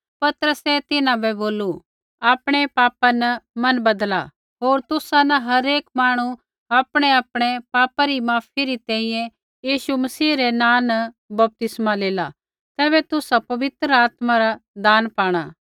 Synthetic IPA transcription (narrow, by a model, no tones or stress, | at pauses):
pɐt̪əɾəsɛt̪ɪnãbɛboːlu | aːpɽ̃epaːpanɐmɐnbɐd̪la̰ | ɦoːɾt̪ʊsanɐɦɐɾeːkmaːɽ̃u | aːpɽ̃eaːpɽ̃epaːpaɾimaːpʰiɾit̪ɛ̃ːĩjɛ̃ | jiːʃumɐsiːɾenãːnɐ | bɐp̚t̪ɪsmaleːla | t̪ɛːβɛt̪ʊsapɐʋɪt̪ɾəaːt̪maɾad̪aːnpaːɽ̃aː